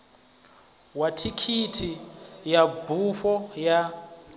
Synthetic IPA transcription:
watʰikʰitʰijabʱuɸɔja

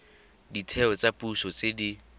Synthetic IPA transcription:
ditʰɛɔt͡sapʼuʃɔt͡sedi

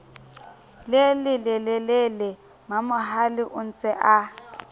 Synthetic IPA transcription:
lelɪlɛlɛlelɛ | mamʊɦalɪʔʊn̩t͡sʼɛʔa

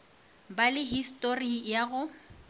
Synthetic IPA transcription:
balɪɦistʼorijaɣʊ

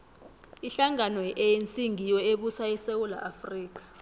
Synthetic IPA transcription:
iɬaŋanɔʔejent͡sʼiŋʱijɔeɓusaisewula̰ʔafriːk̬ḁ

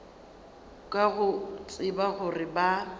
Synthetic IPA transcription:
kʼaɣʊt͡sʼɪbaɣʊrɪba

